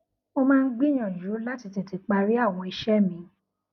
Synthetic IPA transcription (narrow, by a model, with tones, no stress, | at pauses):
o˧mãː˦˧n̩˦ɡ͡bĩ˦j̃ã˨ju˨˦la˦ti˨˧te˨ti˨˦k͡pa˧ɾi˦a˦˨w̃ɔ̃˧i˧ʃɛ˦mĩ˧˦